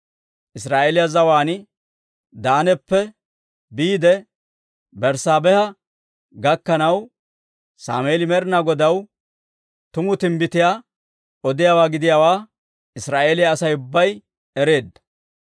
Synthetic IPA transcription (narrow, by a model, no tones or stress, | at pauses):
ʔɪsɾaːʔeːlɪjazɐwaːnɪ | d̪aːnɛpːɛ | biːd̪ɛ | bɛɾsaːbɛhɐ | ɡɐkːɐnɐw | sa̰ːmeːlɪmɛɾɪnaɡɔd̪ɐw | t̪ʊmʊt̪ɪmbɪt̪ɪjaː | ɔd̪ɪjawaːɡɪd̪ɪjawaː | ɪsɾaːʔeːlɪjaːsɐjʊbːɐj | ɛɾe̞ːd̪ːɐ̥